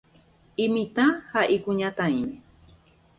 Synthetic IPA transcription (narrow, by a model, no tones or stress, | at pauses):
ɪmɪt̪ahaʔikʊɲat̪ajni